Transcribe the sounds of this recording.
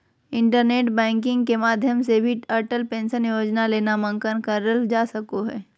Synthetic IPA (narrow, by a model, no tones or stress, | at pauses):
ɪ̃ɳʈəɾneːʈbɛ̃ːŋkɪ̃ŋɡkemaːd̪ʱjəmsebʱiəɾʈəlpẽːnʃənjoːd͡ʒnaleːnamə̃ŋkənkəɾəld͡ʒaːsɐkoɦɛː